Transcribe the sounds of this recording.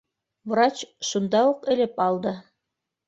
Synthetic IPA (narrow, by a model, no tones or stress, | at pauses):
vrat͡ɕʃund̪ɑuqɘ̆lɘpɑlˠd̪ɤ